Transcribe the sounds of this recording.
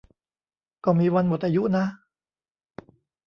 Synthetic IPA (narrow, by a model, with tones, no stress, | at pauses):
kɔː˥˩miː˧wa˧nmo˨˩t̪̚ʔaː˧ju˦˥na˦˥